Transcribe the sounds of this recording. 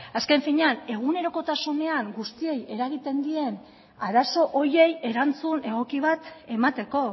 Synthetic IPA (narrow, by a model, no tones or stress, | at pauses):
aske̞ɱfiɲane̞ɣ̞une̞ɾo̞ko̞t̪asune̞aŋɡust̪ie̞je̞ɾaɣ̞it̪e̞nd̪ie̞n | aɾaso̞ʔoje̞je̞ɾant͡sune̞ɣo̞kiβ̞at̪e̞mat̪e̞ko̞